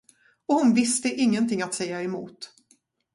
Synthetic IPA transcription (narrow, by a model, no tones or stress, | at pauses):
ɔhʊnvɪst̪əʔɪŋːənt̪ʰɪŋːat̪sɛjːaɛmuːt̪